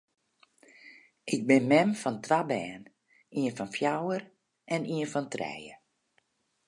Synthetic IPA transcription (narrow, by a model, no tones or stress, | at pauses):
ʔɪk̚bɪnmɛmfɔntʰʋabɛːn | iənfɔnfjawər | ɛniənfɔntrɛ̰jə